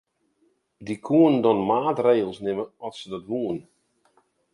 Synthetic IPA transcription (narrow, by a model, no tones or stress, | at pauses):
dikʰuəndɔnmaːtreːɣəlˠsnɪməɔtsədɔtʋuən